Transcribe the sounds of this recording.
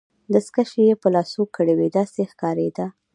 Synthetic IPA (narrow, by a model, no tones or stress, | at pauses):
d̪əskaʃejepəlɑsokːəɽewed̪ɑsexkɑɾḛd̪a